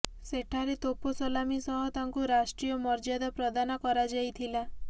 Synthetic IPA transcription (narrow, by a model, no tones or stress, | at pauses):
seʈʰaɾet̪oposolamisɔɦɔt̪aŋkuɾasʈɾijɔmɔɾd͡ʒad̪ɔpɾɔd̪anɔkɔɾad͡ʒajt̪ʰila